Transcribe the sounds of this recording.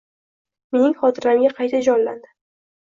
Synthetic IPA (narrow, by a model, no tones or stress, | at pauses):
me̞nɪŋχɒt̪ʰɪɾamʲaqʰɑjt̪ʰad͡ʒɒnland̪ɪ